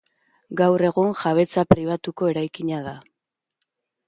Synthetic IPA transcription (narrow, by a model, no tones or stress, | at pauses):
ɡawre̞ɣuŋʝaβ̞e̞t͡sapɾiβ̞at̪uko̞e̞ɾajkiɲaða